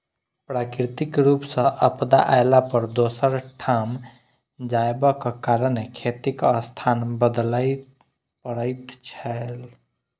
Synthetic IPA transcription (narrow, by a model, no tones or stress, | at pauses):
pɾakɾit̪ikɾupsə̃ʔəpd̪a̰ʔajlapəɾd̪osəɾʈʰam | d͡ʒaebəkekaɾənːekʰet̪ikəst̪ʰanbəd̪ləj | pəɽəɪt̪t͡ʃʰəl